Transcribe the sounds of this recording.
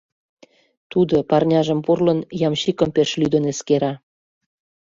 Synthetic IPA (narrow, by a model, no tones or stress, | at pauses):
t̪ud̪opɑrnʲɑʒə̆mpurlə̆njɑmɕikə̆mpeʃlyd̪ə̆neskeɾɑ